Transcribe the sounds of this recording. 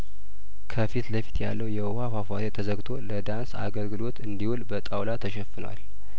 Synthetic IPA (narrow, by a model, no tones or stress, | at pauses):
kʰəfit̪ləfi̥t̪ʰja̰lːəwjɛwhafafaɾet̪ʰəzəɡt̪ʰo̞ləd̪ansa̰ɡəlɡɨlo̞t̪ʰɨnd̪ihulbət̪ʼawlat̪ʰəʃɛfːɨnwa̰l